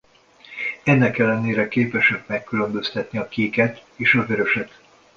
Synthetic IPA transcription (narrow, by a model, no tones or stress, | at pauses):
ɛnːɛkɛlːɛneːɾɛkeːpɛʃɛk̚mɛkːylø̞mbø̞st̪ɛt̪niɒkiːkɛt̪eːʃɒvøɾø̞ʃɛt̪